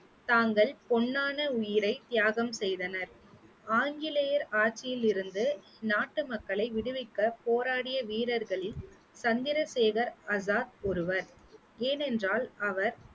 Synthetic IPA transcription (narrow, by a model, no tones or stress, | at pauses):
t̪aːŋɡɐɭpɔɳːaːnɐʊjɪɾɐɪt̪ɪjaːɣɐmsɛjðɐnɐɾ | aːŋɡɪlɐjɐɾaːʈt͡ʃːɪjɪlɪɾɯnd̪ɯ | naːʈːɯmɐkːɐɭɐɪʋɪɽɯʋɪkːɐpoːɾaːɽɪjɐʋiːɾɐɾɣɐɭɪl | sɐnd̪ɪɾɐseːɣɐɾɐsaːt̪̚ɔɾɯʋɐɾ | eːnɛndraːlɐʋɐɾ